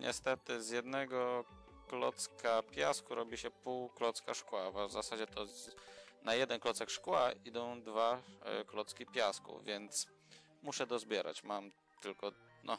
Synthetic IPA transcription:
ɲʔɛ̰st̪ɛt̪ɘzjɛd̪nɛɡɔ | klɔ̰t̪skʰapʲjaskuɾɔbʲiɕɛpuwklɔt̪skaʂkwavazasad͡ʑɛt̪ʰɔ | najɛd̪ɛnklɔt̪sɛkʂkwaid̪ɔ̃w̃d̪vaklɔt̪skʲipʲjaskṵvʲjɛnt̪s | muʂɛd̪ɔzbʲjɛɾʔa̰t͡ɕmam | t̪ɘlkɔ | nʔɔ̰

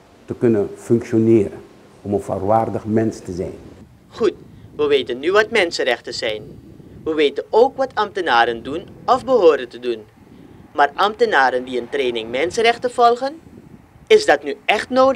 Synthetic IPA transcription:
təkɵnənfɵŋkʃonɪːɾən | ɔmənfa̰rʋaːrdəχmɛnstəzɛ̰jn | χutʋəʋeːtənːyʋɑtmɛnsənrɛχtəz̥ɛjnʋəʋeːtənoːkʋɑtʰɑmtənaːɾəndunɔfbəɦoːɾəntədun | maːrʔɑmtənaːɾəndiəntreːnɪŋmɛnsərɛχtəv̥ɔlˠχən | ɪzdɑtnyɛχtnoː

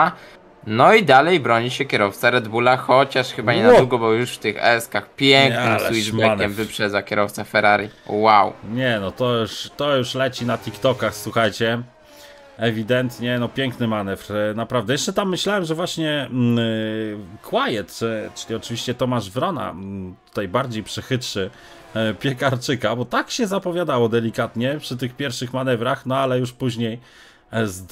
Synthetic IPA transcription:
nɔid̪alɛjbɾɔɲiɕɛkʲjɛɾɔft̪saɾɛd̪bulaxɔt͡ɕaʂxɘbaɲɛnad̪uɡɔbɔjuʂft̪ɘxɛ̰skaxpʲjɛŋkknɪmsɛwianʲɛmvɘpʂɛd̪zakʲɛɾɔft̪safɛɾaɾʲiwawɲɛnɔt̪ɔjuʂt̪ɔjuʂlɛt͡ɕinat̪ʲikt̪ɔkaxswuxajt͡ɕɛ | ɛvʲid̪ɛnt̪ɲɛnɔpʲjɛŋknɘmanɛvɾnapɾavd̪ɛjɛʂt͡ʂɛt̪amːɘɕlawɛmʐɛvwaɕɲɛ | kwajɛt̪ːt͡ʂɘ̥lʲiɔt͡ʂɘviɕt͡ɕɛt̪ɔmaʐvɾɔna̰t̪u̥t̪ajbaɾd͡ʑejpʂɛxɘt̪ʂɘ | pʲjɛkaɾt͡ʂɘkabɔt̪akɕɛzapɔvʲjad̪awɔd̪ɛlʲikat̪ɲɛpʂɘt̪̬ɘxpʲjɛɾfʂɘxmanɛvɾaxnɔalɛjuʂpuʑɲej | zd̪

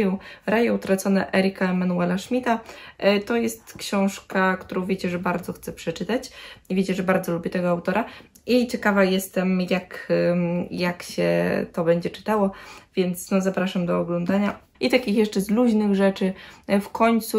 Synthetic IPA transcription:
jɛɾajɛut̪ɾat̪sɔnɛ̰ʔɛɾɘkaɛmanuɛlaʂmʲit̪at̪ɔjɛst̪kɕɔ̃w̃ʂkakt̪uɾɔ̃w̃vʲet͡ɕɛʐɛbaɾd̪zɔxt̪sɛpʂɛt͡ʂɘt̪at͡ɕivʲjet͡ɕɛʐɛbaɾd̪zɔlubʲjɛt̪ɛɡɔawt̪ɔɾa | it͡ɕɛkavajɛst̪ɛmjak | jakɕɛ̰t̪ɔbɛɲd͡ʑɛt͡ʂɘ̥t̪awɔvʲjɛnt̪snɔzapɾaʂamd̪ɔːɡlɔnd̪aɲa | ʔit̪akʲixjɛʂt͡ʂɛzluʑnɘɣʐɛt͡ʂɘfkʰɔɲt̪su

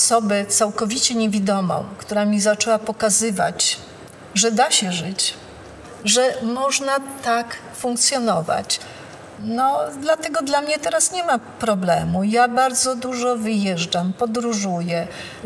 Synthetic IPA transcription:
sɔbɛt̪sawkɔvʲit͡ɕɛɲevʲid̪ɔmɔ̰̃w̃kt̪uɾamʲizat͡ʂɛwapɔkazɘva̰t͡ɕ | ʐɛd̪aɕɛʐɘt͡ɕ | ʐɛmɔʐnat̪ak | fũŋk̚t̪sʲjɔnɔva̰t͡ɕ | nɔd̪lat̪ɛɡɔd̪lamɲɛt̪ɛɾasɲɛmapɾɔblɛmujabaɾd̪zɔd̪uʐɔvɘjɛʐd͡ʐampɔd̪ɾuʐujɛ

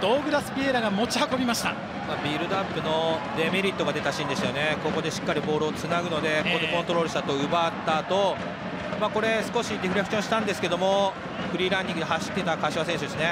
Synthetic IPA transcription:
d̪̥oːɡɯ̟ɾasɨ̥pʲieɾaɡamo̞t͡ɕihako̞bʲimaɕi̥t̪a̰ | maːbʲiːɾɯ̟d̪ãmpɯ̟no̞d̪e̞meɾʲit̪ːo̞ɡad̪e̞t̪aɕĩnd̪e̞sɨjo̞ne̞koɡo̞d̪e̞ɕi̥kːaɾʲibo̞ːɾɯ̟ːt͡sɨnaɡɯ̟no̞d̪e̞kod̪ekont̪o̞ɾo̞ːɾɯ̟ɕit̪at̪o̞ɯ̟bat̪ːaːt̪o̞ | maːko̞ɾe̞sɨ̥ko̞ɕidʲiɸɯɾe̞kɕõɕi̥t̪ãnd̪e̞sɨ̥ke̞d̪o̞mo̞ | ɸɯ̟ɾʲiːɾãɲʲd̪ʲĩŋɡɯd̪eɦaɕi̥t̪ːet̪akaɕiβasẽɕ̬ɨd̪esɨne̞

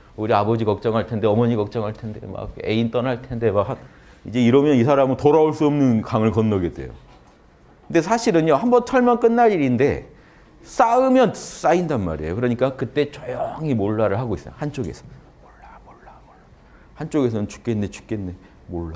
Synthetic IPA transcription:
uɾiabʌd͡ʑikʌk̚t͡ɕ͈ʌŋɦaɭtʰe̞ndeʌmʌɲikʌk̚t͡ɕ͈ʌŋɦaɭtʰe̞nde̞̰ma̰k̚e̞int͈ʌnɦaɭtʰe̞nde̞makha | id͡ʑe̞iɾʌmjʌnisʰaɾamɯntoɾaoɭs͈uʌmnɯnkaŋɯɭkʌnːʌɡe̞dwḛjo̰ | knde̞s̬ʰaɕʰiɾɯnjohambʌnt͡ɕʰʌɭmjʌnk͈ɯnːaɾiɾinde̞̰ | s͈aɯmjʌns͈aindanma̰ɾḛjo̰kɯɾʌɲik͈akɯt͈e̞t͡ɕʌjʌŋimoɭːaɾɯɭhaɡois͈ʌjahant͡ɕ͈oɡe̞sʰʌ̥ | moɭːamoɭːamoɭːa | hant͡ɕ͈oɡe̞s̬ʰʌnɯnt͡ɕu̥k͈enːet͡ɕu̥k͈enːe | moɭːa

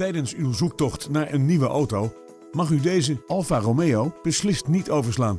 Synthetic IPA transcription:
tɛjdənsywzuk̚tɔχtnaːɹʔənːiʋəʔowtow | mɑχydejzəɑlˠfaromejowb̥əslɪstnitowvəɹslaːn

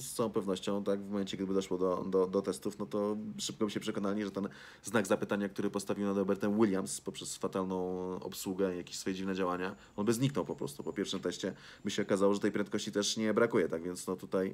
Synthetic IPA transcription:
st̪aɔ̃w̃pɛvnɔɕt͡ɕɔ̃w̃t̪aɡvmɔmɛnt͡ɕɛɡd̪ɘbɘd̪ɔʂwɔd̪ɔd̪ɔd̪ɔt̪ɛst̪ufnɔt̪ɔʂɘp̚kɔbɘt͡ɕɛpʂɛkɔnalɲʲiʐɛt̪ɛn | znaɡzapɘt̪aɲak̚t̪uɾɘpɔst̪avʲiwnad̪ɾɔbɛɾt̪ɛmwilʲjamspɔpʂɛsfat̪alnɔ̃w̃ɔ̰pswuɡɛjakʲe̥ɕʲsfɔjɛd͡ʑivnɛd͡ʑawaɲa | ɔnbɘzɲiknɔwpɔpɾɔ̰st̪upɔpʲjɛɾfʂɘmt̪ɛɕt͡ɕɛ | bɘɕɛɔkazawɔʐɛt̪ɛjpɾɛnt̪̚kɔɕt͡ɕit̪ɛʂɲɛbɾakujɛt̪aɡvʲjɛnt̪snɔt̪ut̪aj

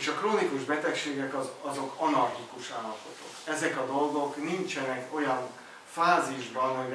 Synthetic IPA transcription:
ʃɒkroːnikuʒbɛt̪ɛkʃeːɡɛkɒzɒzo̞kɒnɒrɡikuʃaːlɒpo̞t̪okɛzɛkɒd̪o̞lɡo̞knint͡ʃɛnɛko̞jɒn | faːziʒbɒnɦoj

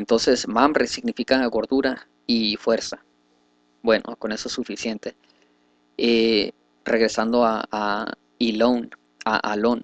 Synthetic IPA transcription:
ent̪o̞nse̞smambɾesiɣnifikaɣo̞ɾðuɾa | ifwe̞ɾsa | bwe̞nʔo̰ko̞ne̞sosufisje̞nt̪e̞ | e | re̞ɣ̞ɾe̞sand̪oaa | ilon | a̰ʔalo̞n

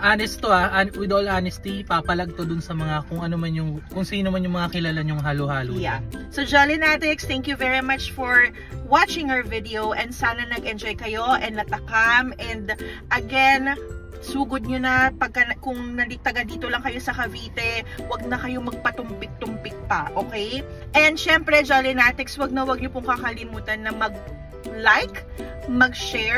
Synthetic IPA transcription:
ʔaːnɛst̪oaʔawɪd̪ʔolanɛst̪ipapɐlɐɡ̚t̪od̪ʊnsɐmɐŋakʊŋɐnomɐnjʊŋkʊŋsiːnomɐnjʊŋmɐŋakɪlaːlaɲʊŋɦaːlohaːlojasod͡ʒalɪnat̪ɛkst̪ɛŋkjuvɛɹimɐt͡ʃfɔɹ | wat͡ʃɪ̃ŋhɐɹvɪd̪ɛowʔɛnd̪saːnɐnɐɡʔɛnd͡ʒojkɐjo̞ʔɛnd̪nɐt̪ɐkamɛnd̪ʔɐɡɛn | suːɡod̪̚ɲonɐpɐɡ̚kɐnɐkʊŋnɐlik̚t̪ɐɡɐd̪iːt̪o̞lɐŋkɐjo̞sɐkɐviːt̪ɛwɐɡ̚nɐkɐjo̞mɐɡ̚pɐt̪ʊmpɪk̚t̪ʊmpɪk̚pɐʔokɛjʔɛnd̪ʃɛmpɾɛd͡ʒɐlɪnat̪ɪkswɐɡ̚nɐwɐɡ̚ɲopʊŋkɐkɐlɪmuːt̪ɐnːɐmɐɡ̚ | lajk | mɐɡ̚ʃɛ

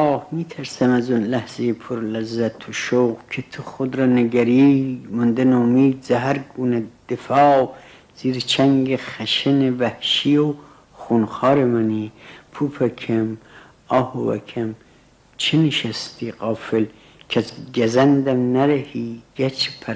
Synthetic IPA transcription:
hmiːt̪ʰæɾsæmæzunlæhz̥ejepʰoɾlæzːæt̪ʰoʃoɣkʰet̪ʰoχod̪ɾɑːneɡæɾimʊnd̪enomiːd̪zæɦæɾɡuːned̪̥efɑː | z̥iːɾet͡ʃʰæŋɡeχæʃenevæhʃijo | χunxɑːɾemænipʰuːpʰækʰæm | ɑːhovæ̰kʰæm | t͡ʃʰeneʃæst̪ʰiːqɑːfel | kʰæsɡæzænd̪æmnæɾæhiːɡæt͡ʃʰpʰæɾ

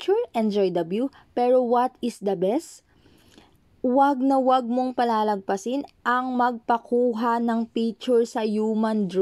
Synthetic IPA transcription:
t͡ʃʊɹʔɛnd͡ʒojd̪ɐblju | pɛɹowɐt̪ɪsd̪ɐbɛst̪ | wɐɡ̚nɐwɐɡ̚mo̞ŋpɐlaːlɐɡ̚pɐsɪnʔɐŋmɐɡ̚pɐkʰuːɦanɐŋpik̚t͡ʃʊɹsɐjumɐnd̪ɾ

